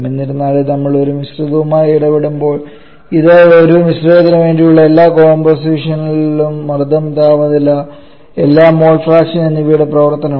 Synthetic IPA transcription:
menːiɾunːaːɭɨnɐmːɐɭo̞ɾumisruðɐʋumaːjiɽɐpeɽumbo̞ːɭ | iðɨoɾumisreːd̪ɐnɐʋe̞ːnɖijuɭːɐe̞lːaːkoːmbɐrsiːʂɐnillumːɐrd̪ɐmt̪aːʋɐðilːɐ | e̞lːaːmːo̞ːlfraːkʂinenːiʋiːɽeprɐʋɐrt̪ɐnɐ

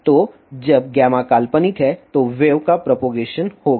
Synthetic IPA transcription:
t̪oː | d͡ʒɐbɡɛːmakaːlpənit̪ʰɦɛt̪oʋeːʋkapɾopoːɡeːʃənhoːɡa

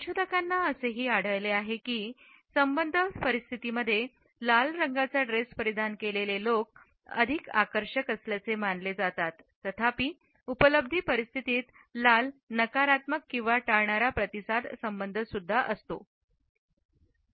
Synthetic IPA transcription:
ɕʰod̪əkanːaəseɦiːaɽ̤əjleaɦekiː | səmbənd̪ʱəpəɾist̪ʰit̪iməd̪ʱːje | lalɾəŋɡat͡saɖɾespəɾid̪ʱankelelelok̚ | ə̰d̪ʱika̰kəɾʂəkəsljat͡semanled͡zat̪at̪ːət̪ʰapiː | upələb̚d̪ʱiːpəɾist̪ʰit̪iːt̪ | lalnəkaɾat̪məkːĩw̃ʋaʈaɭɳaɾapɾət̪isad̪səmbənd̪ʱəsud̪ʱːaʔəst̪o

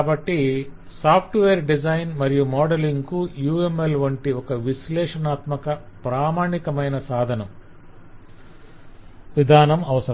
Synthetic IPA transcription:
bɐʈːi | saːpʰʈʋeːɾɖid͡ʒɐjnmɐɾijumɔːɖɐliŋɡkujuːemelʋɐɳʈiɔkɐʋislɛːʂɐnaːt̪mɐkɐ | pɾaːmaːɳikɐmɐjnɐsaːd̪ʱɐnɐm | ʋid̪ʱaːnɐmɐʋɐsɐɾ

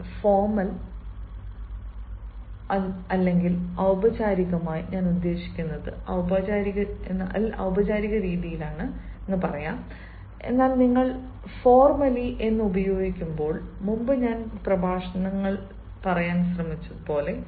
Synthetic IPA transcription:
fo̞ːrmɐl | ɐɐlːe̞ŋɡilɐwbɐt͡ɕaːɾiɣɐmaːjiɲaːnud̪ːe̞ːɕi̥kʲːunːɐðɨɐwbɐːd͡ʑaːɾiɣɐenːʔɐɐ̰wbɐd͡ʑaːɾiɣɐɾiːðijilaːɳɨ | enːɨpɐrɐjaːm | e̞̰nːaːlniŋːɐɭ | fo̞ːrmɐliʔe̞nːɨubɐjo̞ːɡikʲːumbo̞ːɭmumbɨɲaːnprɐbʱaːʂɐnɐŋːɐɭ | pɐrɐjaːnɕ̬rɐmit͡ɕːɐðɨpo̞ːle̞

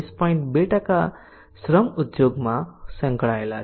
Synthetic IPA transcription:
spʌiɳʈbeʈaka | srʌmud̪joɡmasʌŋkɽaela

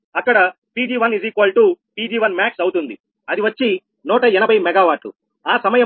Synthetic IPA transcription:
ɐkːɐɽɐ | piːd͡ʒiːʋɐniziːkɐːlʈupiːd͡ʒiːʋɐnmaːksɐwut̪und̪i | ɐd̪iʋɐt͡ʃːi | nɔːʈɐɛnɐbʱɐjmɛɡaːʋaːʈṵ | aːsɐmɐjɐ

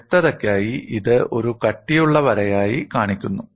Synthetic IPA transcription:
t̪ːɐðɐkʲːaːjiʔiðɨo̞ɾukɐʈːijuɭːɐʋɐɾɐjaːjikaːɳikʲːunːu

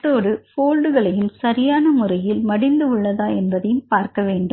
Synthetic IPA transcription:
ʈːoːɽɯfoːlɖɯɣɐɭɐjɯmsɐɾɪjaːnɐmʊrɐjɪlmɐɽɪnd̪ɯɯɭːɐðaːɛnbɐðɐjɯmpaːɾkɐʋeːɳɖɯ

